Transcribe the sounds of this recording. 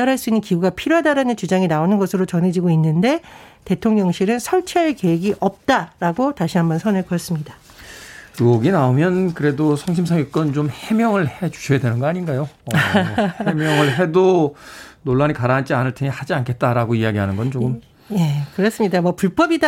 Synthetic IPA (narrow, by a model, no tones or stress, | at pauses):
aɾɦaɭs͈uinːɯnkiɡuɡapʰiɾjoɦadaɾanɯnt͡ɕud͡ʑaŋinaonɯnɡʌsʰɯɾot͡ɕʌnɦe̞d͡ʑiɡoinːɯnde̞te̞tʰoŋɲʌŋɕʰiɾɯnsʰʌɭt͡ɕʰeaɭke̞eɡiʔʌp̚t͈aɾaɡotaɕʰiɦambʌnsʰʌneɭkʌjʌs͈ɯmɲida | kɯʌɡinaomjʌnkɯɾe̞dosʰʌŋɕ̬ʰimsʰʌŋjok̚k͈ʌnt͡ɕomhe̞mjʌŋɯɭhe̞t͡ɕu̥ɕʰʌjadwe̞nɯnɡʌaɲinɡajo | emjʌŋɯɭɦe̞do | noɭːaɲikaɾaant͡ɕ͈ianɯɭtʰeŋehad͡ʑiankʰe̞t̚t͈aɾaɡoijaɡiɦanɯnɡʌnt͡ɕokɯm | je̞kɯɾʌs͈ɯmɲidamʌpuɭp͈ʌbida